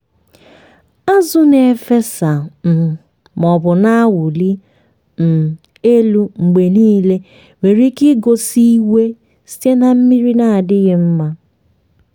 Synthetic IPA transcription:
a˦zʊ˦ne˨fe˦sa˨m̩˨ | mɔ˨bʊ˨na˦wʊ˨li˦ | m̩˨ | e˦lu˦ŋ͡m̩˨ɡ͡be˨niː˦le˦ | me˨ɾi˦ki˦ɡo˦si˦we˦ | si̥˦te˦na˨m̩˦mi˦ɾi˦na˨dɪ˦ɣɪ˦m̩˦ma˦

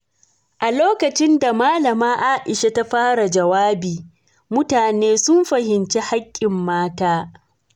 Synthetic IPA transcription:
ʔa˨loː˦kɐ˨t͡ʃɪ˦nda˨maː˦lɐ˨maː˦ʔa˦ʔɪ˨ʃa˦ta˦ɸaː˦ɽa˨d͡ʒɐ˨waː˦biː˨ | mʊ˦taː˨neː˦sʊ˦mɸɐ˨hɪ˨nt͡ʃe˦ha˦kʲʼːɪ˨mːaː˦taː˦

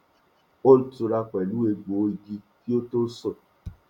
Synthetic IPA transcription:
o˦n̩˦tu˧ɾa˧kʷɛ˨lu˦e˧ɡ͡bo˨˦ɡi˧ki˦o˦to˦sɔ˦˨

